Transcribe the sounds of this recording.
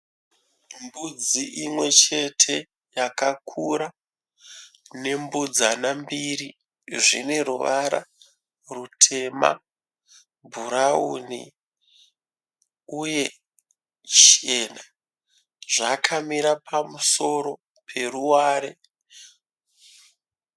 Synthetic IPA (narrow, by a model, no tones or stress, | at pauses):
mbud͡ziʔimwe̞t͡ʃe̞tʰe̞ | jakakʰuɾa | ne̞mbud͡zanambiri | ʐḭne̞ruʋaɾa̰ | rutʰe̞ma̰ | bʱuɾaṵːnḭ | uje̞ | t͡ʃena | ʐakʰamiɾapʰamuso̞ɾo̞ | pʰe̞ruwaːɾe